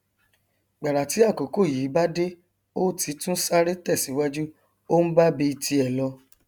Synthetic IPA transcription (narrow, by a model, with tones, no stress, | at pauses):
ɡ͡ba˨ɾa˨ti˨˦a˦˨ko˨ko˦˨jiː˨˦ba˦de˦ | o˦tʰi˨˦tũ˦sa˦ɾe˦tɛ˦˨si˨˦wa˦d͡ʒu˦ | o˦n̩˦ba˦bi˧i˧tʰi˧ɛ˨lɔ˧